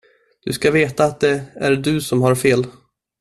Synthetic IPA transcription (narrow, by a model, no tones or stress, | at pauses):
d̪̥ɵ̰skaveːt̪aːt̪̚d̪ɛæɾɖɵsɔmhaɾfeːl